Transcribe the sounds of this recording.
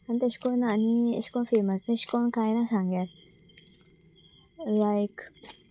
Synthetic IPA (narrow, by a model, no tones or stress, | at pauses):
ãnd̪eʃkonãnḭ̃ʃkõnfimasĩʃkõnkajnãsãŋɡɛɾ | lajk